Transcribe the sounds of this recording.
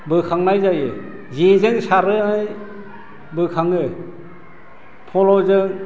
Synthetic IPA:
bɯkʰaŋnajzajɯ | zizɯŋsaɾɯaj | bɯkʰaŋɯ | pʰɔlɔzɯŋ

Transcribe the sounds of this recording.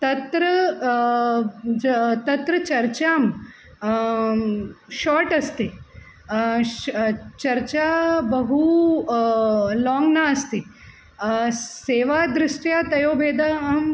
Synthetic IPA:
t̪ɐt̪ɾɐ | t̪ɐt̪ɾɐt͡ʃɐɾt͡ʃaːm | ʃɔːɾʈɐst̪i | t͡ʃɐɾt͡ʃaːbɐɦu | lɔːŋɡnaɐst̪i | seːʋaːd̪ɾɪʂʈjaːt̪ɐjoːbʱeːd̪aːm

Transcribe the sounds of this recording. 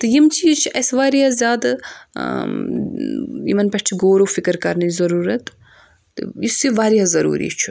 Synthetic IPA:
t̪ɨjimt͡ʃʰit͡ʃʰiʔɐsʋaːɾiazjaːd̪ | ḭmɐnpʲɐʈʰiɡoːɾofikɨɾkɐɾnɐzɐɾuːɾɐt̪ː | ɨ̰isiʋaːɾiazɐɾṵːɾḭt͡ʃʰu̥

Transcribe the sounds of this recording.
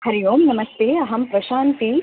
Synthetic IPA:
hɐɾijoːmnɐmɐst̪eːɐɦɐmpɾɐʃaːnt̪i

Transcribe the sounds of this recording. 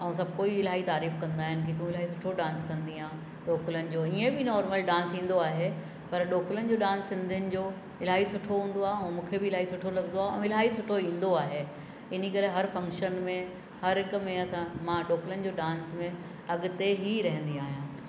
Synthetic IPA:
ɐũs̬ɐb̚ʱkoːiɪl̤aːit̪aːɾiːfkɐ̃nd̪aːɦɪnɪ̆k̬it̪ũɪl̤aːɦisʊʈʰoɖãːnskɐ̃nd̪iãː | ɗoːkɪlənɪ̆d͡ʑoːiẽbɪnɔːɾməlɖãːnsĩːn̆d̪oaːɦe | pɐɾɗoːklənɪ̆d͡ʑoːɗãːnsːɪ̃nd̪ʱənɪ̆d͡ʑoː | ɪl̤aːɦisʊʈʰoɦũːn̆d̪oaːɦeɛ̃ːmũːkʰebɪɪlaːisʊʈʰolɐɡnd̪oaːɦɛ̃ɪl̤aːisʊʈʰoĩːn̆d̪oaːɦe | ɪnikɐɾeɦɐɾfɐ̃ŋkʃənmẽ | hɐɾɦɪkmẽɐsãmãːɗoːklənɪ̆d͡ʑoːɖãːnsmẽ | ɐɠʊt̪eɦiɾɐɦə̃nd̪iaːɦijãː

